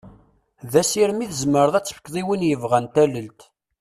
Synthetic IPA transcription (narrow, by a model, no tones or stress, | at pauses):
ðæsiɾmiθzməɾðˤæt͡sːə̥fə̥kːðˤiwinjəvʁænt̪æləlt̪